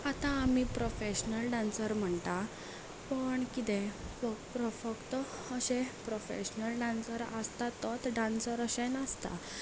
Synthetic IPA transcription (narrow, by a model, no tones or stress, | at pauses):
at̪ãːmiːpɾofeɕnəlɖãnsəɾm̤əɳt̪a | pəɳkit̪ẽfəpɾəfəɡt̪əː | ɕepɾofḛɕnəlɖãnsəɾəst̪at̪ət̪ɖãnsəɾəɕenəst̪a̰